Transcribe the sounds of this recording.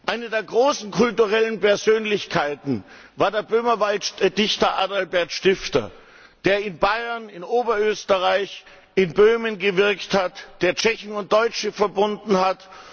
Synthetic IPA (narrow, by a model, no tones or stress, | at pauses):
ʔaɪnədeːɐɡʁoːsn̩kʰʊltuʁɛlənpɛɐzøːnlɪçkʰaɪtn̩ | vaːɐdeːɐbøːmɐvaltd̥ɪçtɐʔaːdalbɛɐtʃtɪftɐ̰ | d̥eːɐɪnbaɪɐnɪnʔoːbɐøːstəʁaɪç | ɪnbøːmənɡəvɪɐkthatd̥eːɐt͡ʃɛçn̩ʊnt̚d̥ɔʏt͡ʃəfɛɐbʊndn̩hat